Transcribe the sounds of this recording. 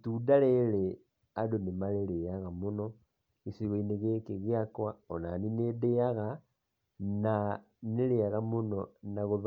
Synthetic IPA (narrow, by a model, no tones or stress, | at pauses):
tudalele | adonimalelejaɣamuno | isiɣineɣekeɣjakwaona̰ninedeaɣa | na | neleaɣamunonaɣuβ